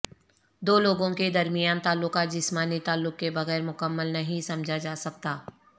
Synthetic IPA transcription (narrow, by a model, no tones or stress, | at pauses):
d̪oːloːɡõked̪ɐɾmɪjaːnt̪aːlːʊkat̪̚d͡ʒɪsmaːnit̪aːlːʊkːebɐɣɛːɾmʊkəmːəlnɐɦĩsɐmd͡ʒʱad͡ʒaːsɐk̚t̪aː